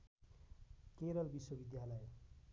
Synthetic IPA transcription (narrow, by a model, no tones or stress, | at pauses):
keɾʌlbiswʌbid̪jalʌj